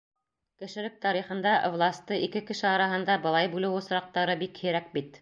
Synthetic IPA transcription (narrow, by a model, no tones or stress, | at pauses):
kɘ̆ʃɘ̆lɘk̚t̪ɑɾiχɤ̆nd̪ɑʔvlˠasʲt̪ɤikɘkɘ̆ʃɘɑɾɑɦɤ̆nd̪ɑbɤ̆lˠɑjbʉlɘwŏsɾɑq̚t̪ɑɾɤbikhɘ̆ɾæk̚bit̪